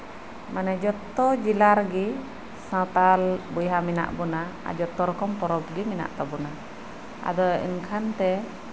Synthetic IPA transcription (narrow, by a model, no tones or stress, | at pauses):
manɛd͡ʒɔt̪ːɔd͡ʒilaɾɡi | sãt̪albujɦamina̰ʔbɔnaa̰d͡ʒɔt̪ɔɾkɔmpɔɾɔp̚ɡimina̰ʔt̪abɔna | a̰d̪ɔḭnkʰant̪ɛ